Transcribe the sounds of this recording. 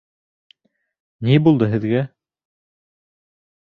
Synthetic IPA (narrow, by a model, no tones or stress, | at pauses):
nibulˠd̪ɤɦɘ̆ðɡæ